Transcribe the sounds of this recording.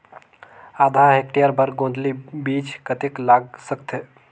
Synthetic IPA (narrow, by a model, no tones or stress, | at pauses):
ad̪ʱaek̚ʈijəɾbəɾɡõːnd̪libiːt͡ʃkət̪eklaːɡsək̚t̪ʰe